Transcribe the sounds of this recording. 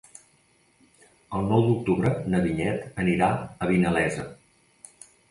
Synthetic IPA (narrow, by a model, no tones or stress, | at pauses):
əlˠnɔwd̪uk̚t̪uβɾənəβiɲɛt̪əniɾaəβinəlɛzə